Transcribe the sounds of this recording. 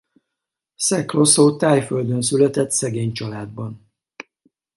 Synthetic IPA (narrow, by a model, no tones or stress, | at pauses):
sɛklo̞soːt̪aːjføld̪ønsylɛt̪ɛt̪sɛɡeːɲt͡ʃɒlaːd̪̚bɒn